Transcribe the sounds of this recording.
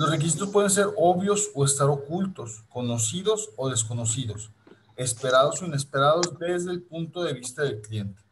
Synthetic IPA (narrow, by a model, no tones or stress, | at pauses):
losrek̬is̬it̪ospwe̞ð̞e̞ns̬e̞ɾo̞βjo̞soe̞st̪aɾo̞kult̪o̞sko̞no̞siðo̞soðe̞s̬ko̞no̞siðo̞s | e̞spe̞ɾaðo̞so̞ine̞spe̞ɾaðo̞zd̪e̞zðe̞ːlpunt̪o̞ðe̞β̞ist̪aðe̞lklje̞nt̪e̥